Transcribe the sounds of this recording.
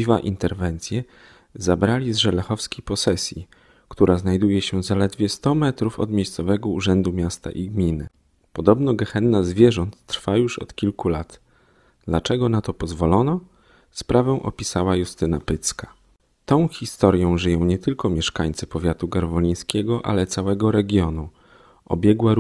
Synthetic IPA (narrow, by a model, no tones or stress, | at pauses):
iva̰ʔint̪ɛɾvɛnt̪sʲjɛ | zabɾalʲizʐɛlɛxɔfskʲipɔsɛsʲjḭ | kt̪uɾaznajd̪ujɛɕɛzalɛd̪vʲjɛst̪ɔmɛt̪ɾufɔ̰d̪mʲejst̪sɔvɛɡɔuʐɛnd̪umʲjast̪a̰ʔiɡmʲinɘ̰ | pɔd̪ɔbnɔɡɛxɛnːazvʲjɛʐɔnt̪ːɾfajuʂɔ̰t̪kʲilkulat̪ | d̪lat͡ʂɛɡɔnat̪ɔpɔzvɔlɔnɔ | spɾavɛw̃ʔɔ̰pʲisawajust̪ɘnapɘt̪ska | t̪ɔ̃w̃xʲist̪ɔɾjɔ̃w̃ʐɘjɔ̃w̃ɲɛt̪ɘlkɔmʲjɛʂkaɲt̪sɘpɔvʲjat̪uɡaɾvɔɲij̃skʲɛɡɔʔa̰lɛt̪sawɛɡɔɾɛɡʲjɔnu | ʔɔ̰bʲjɛɡwaɾ